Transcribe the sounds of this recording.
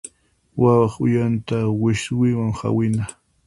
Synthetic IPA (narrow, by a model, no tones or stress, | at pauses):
wawɑχʊjant̪awɪʃwɪwaŋha̰wɪna